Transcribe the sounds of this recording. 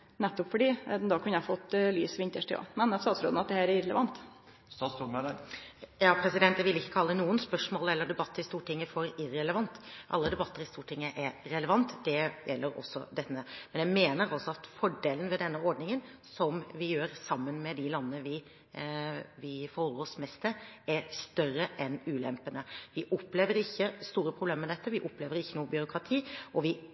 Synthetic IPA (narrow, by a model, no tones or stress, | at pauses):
nɛt̪ːɔpfɔɖiːd̪ɑkʰʉnːəæfot̪ːlyːsʋɪnt̪əʂʈɪo̰ːmɛnt̪ɑːt̪sɾo̰ːd̪nɑt̪̚d̪ɛhæːɾæɾɛləʋɑnt̪ | st̪ɑst̪ʊɑ | jɑːpʰɾɛsɪd̪ɛnt̪d̪æɪʋɪlɪçːəkʰɑlːənuːənspœʂmoːlɛlːəɖ̪ɛbɑt̪ːəɾɪst̪uːʈʰɪŋːəfɔɾɪɾɛləʋɑnt̪ʔɑ̰lːəd̪ɛbɑt̪ːəɾɪst̪uːʈʰɪŋːəʔɛɾɾɛləʋɑnt̪d̪ɛjɛlːəɾɔ̰sːɔ̰d̪ɛt̪ːəmɛnjæɪmeːnəɾɑlsɔɑt̪fɔɖeːlənʋɛd̪ɛnːəɔɾɖnɪŋənsɔmʋɪjøːɾsɑmːənmɛd̪ɪlɑnːəːəʋɪ | ʋɪfɔɾosmɛst̪əɾæɾst̪œrəʔɛnʉːlɛmpənəʋɪʔɔpleːʋəɾɪçːəst̪uːɾəpʰɾʊbleːmɛd̪ɛt̪ːəʋɪʔɔpleːʋəɾɪçːənuːəbʏɾʊkɾɑt̪ʰiːʔɔʋɪ